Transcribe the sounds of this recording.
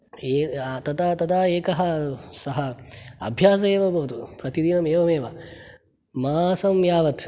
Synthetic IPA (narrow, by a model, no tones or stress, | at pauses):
eːt̪ɐt̪aːt̪ɐd̪aːeːkɐɦɐsɐɦɐɐ̰bʱjaːs̬ɐeːʋɐbɐːt̪upɾɐt̪id̪inɐmeːʋɐmeːʋɐ | maːsɐmjaːʋɐt̪